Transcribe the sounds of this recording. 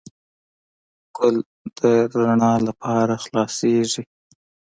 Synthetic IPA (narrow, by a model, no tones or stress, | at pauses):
kʊl | d̪̥əɾaɳɑlapʰɑɾaxlɑseʐi